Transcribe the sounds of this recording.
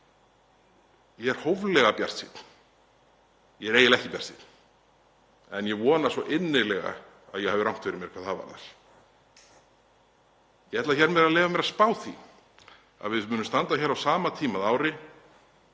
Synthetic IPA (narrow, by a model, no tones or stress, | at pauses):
jɛɛɾ̥howvlɛɣapja̰r̥t̪sḭt̪n̥ | jɛɛɾejɪlɛhcɪpja̰r̥sit̪n̥ | ɛnjɛvɔːnasvɔʔɪnːɪlɛɣa̰ | a̰ðjɛhavɪɾawŋ̥t̪fɪɾɪmjɛɾ̥kʰaːðhava̰ɾða̰ɾ̥ | jɛɛt̪laçɛɾmɛɾaðleːvamɛɾaðspaːwθḭ | a̰ðvɪðmʏnʏmst̪ant̪açɛːɾawsaːmat̪ʰiːmaðaːwɾɪ